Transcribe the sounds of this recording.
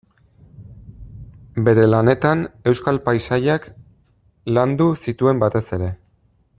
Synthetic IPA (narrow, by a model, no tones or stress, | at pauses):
be̞ɾe̞lane̞t̪ane̞wskalpajsaʎak | land̪usit̪ue̞mbat̪e̞se̞ɾe̞